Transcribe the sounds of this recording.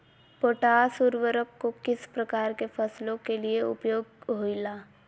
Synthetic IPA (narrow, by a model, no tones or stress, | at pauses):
poːʈaːsuɾʋəɾəkːokɪspɾəkaːɾkefʰəslõkelieʊ̰pjoːɡ̚ɦoilaː